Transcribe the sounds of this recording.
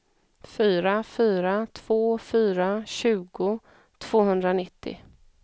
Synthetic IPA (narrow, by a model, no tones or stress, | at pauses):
fyːɾafyːɾat̪ʰv̥oːfyːɾaɕʉ̟ːɡʊ | t̪ʰv̥oːɦɵnd̪ɾanɪt̪ʰːɪ̰